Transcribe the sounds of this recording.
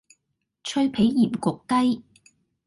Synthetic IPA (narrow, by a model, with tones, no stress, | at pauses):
t͡ʃʰɵ˥ɥpʰe˨˥jji˨˩mkʊ˨k̪ːɐ˥j